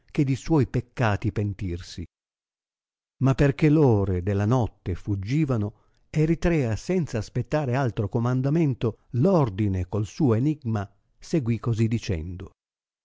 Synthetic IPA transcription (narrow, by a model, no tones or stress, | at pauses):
k̟ed̪iswɔjpekːaːt̪ipent̪irsi | mapːerkelɔːɾed̪elːanɔt̪ːefud͡ʒːiːvano | erit̪ɾɛːasɛnt̪saːspet̪ːaːɾealt̪ɾokomand̪ament̪olɔrd̪inekolsuːoeniɡma | seɡwikːozid̪it͡ʃɛ̰nd̪o